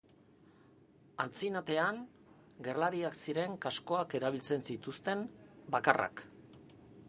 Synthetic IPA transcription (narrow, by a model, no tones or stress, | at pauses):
ant͡sinat̪e̞an | ɡe̞rlaɾiaksiɾe̞ŋkasko̞ake̞ɾaβ̞ilt͡se̞nsit̪ust̪e̞mbakara̰k